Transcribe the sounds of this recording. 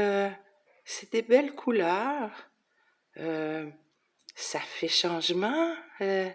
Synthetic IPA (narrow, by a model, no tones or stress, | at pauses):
ø | sɛd̪ebɛlkʰulœʁ | ø | safɛʃɑ̃ʒmɑ̃ø